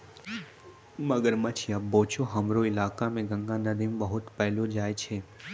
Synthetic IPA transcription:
məɡəɾmat͡ʃʰiaːp̚bõːt͡ʃʰoɦɐmɾoɪlaːkamẽɡə̃ŋɡãnəd̪imbəɦʊt̪pɛɦlod͡ʒaːjt͡ʃʰeː

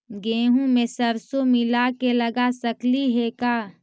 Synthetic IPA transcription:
ɡẽːɦũmẽsəɾsomɪlakeləɡasəkliɦekaː

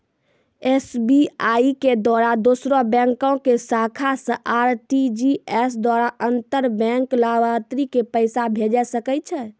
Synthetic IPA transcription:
esbiaiked̪waɾad̪osɾɔbɛ̃ŋkɔ̃kesakʰasə̃ʔaɾʈid͡ʒiesd̪waɾaʔənt̪əɾbɛ̃ŋklawat̪ɾikepəɪsabʱed͡ʒɛsəkɛt̪̚t͡ʃʰɛ

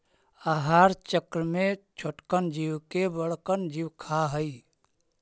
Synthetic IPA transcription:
aɦaɾt͡ʃəkɾəmet͡ʃʰoʈkənd͡ʒiwkebəɽkənd͡ʒiwkʰaɦəi

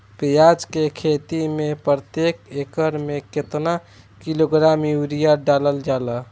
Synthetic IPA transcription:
pijad͡ʒkekʰet̪imepɾət̪jekekəɾmeket̪na | kiloɡɾamjuɾijaɖaləld͡ʒalə

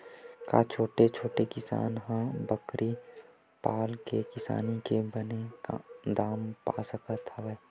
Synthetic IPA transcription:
ka̰t͡ʃʰoːʈet͡ʃʰoːʈekɪsa̰ːnɦãbəkɾʔi | paːlkekɪsa̰ːnikebəneka̰d̪aːmpa̰ːsəkət̪əʋɛː

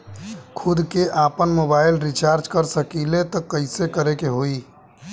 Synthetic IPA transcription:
kʰud̪keʔapənmobailɾit͡ʃaɾd͡ʒkəɾsəkilet̪ɔkəɪsekəɾekeɦoi

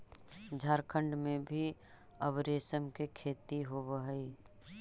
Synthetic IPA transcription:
d͡ʒʱaːɾkʰə̃ɳɖmẽbʱi | əbɾeːsəmkekʰeːt̪iɦobəɦəi

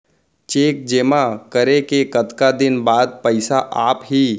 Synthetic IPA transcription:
t͡ʃeːk̚d͡ʒeːmakəɾekekət̪kad̪ɪnbaːd̪̚pɛɪsaʔaːpɦiː

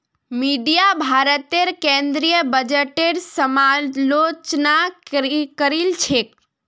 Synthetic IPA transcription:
miɖijabʱaɾət̪eɾkẽnd̪ɾijəbəd͡ʒeʈeɾsəmalot͡ʃnakkəɾilt͡ʃʰek

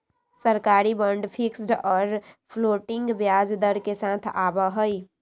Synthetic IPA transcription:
səɾkaɾibəɳɖpʰiksɖɔːɾpʰloʈiŋɡbjad͡ʒd̪əɾkesat̪ʰabəɦəj

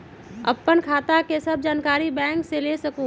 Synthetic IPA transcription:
ə̰pːənkʰaːt̪akesəb̚ʱd͡ʒaːnkaːɾibɛ̃ːŋkselesəkũ

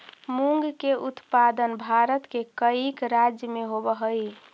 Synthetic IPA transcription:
muŋɡkeʔut̪pad̪ənbʱaɾət̪kekəikɾad͡ʒjəmeɦobəɦəj

